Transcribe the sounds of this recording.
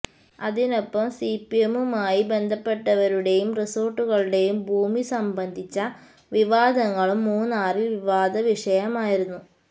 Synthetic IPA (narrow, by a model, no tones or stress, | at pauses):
ɐðino̞pːɐmsiːpiemumaːjibe̞nd̪ʱɐpːe̞ʈːɐʋɐɾuɽe̞jumriso̞ːrʈːuɣɐɭuɽe̞jumbʱuːmisɐmbɐnd̪ʱit͡ɕːɐ | ʋiʋaːd̪ɐŋːɐɭumːuːnːaːrilʋiʋaːd̪ʱɐʋiʂɐjɐmaːjiɾunːu